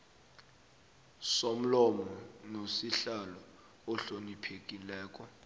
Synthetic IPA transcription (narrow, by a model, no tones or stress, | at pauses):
som̩lɔmɔnosiɬalɔ | ɔɬonipʰek̬ʼilɛːk̬ʼɔ